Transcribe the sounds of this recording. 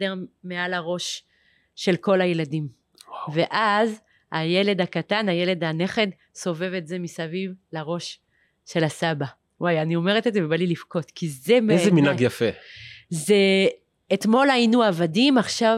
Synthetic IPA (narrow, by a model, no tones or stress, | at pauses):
eʁmealaʁo̞ʃ | ʃe̞lko̞lajeladim | ve̞ʔaz | ajele̞d̪akatanaje̞le̞d̪ane̞χe̞d | so̞ve̞vetzemisavivlaʁo̞ʃ | ʃe̞lasaba | wajanio̞me̞ʁet̪edzevebalilifko̞t̪kizemezeminaɡjafeze | et̪mo̞lainuavadimaχʃav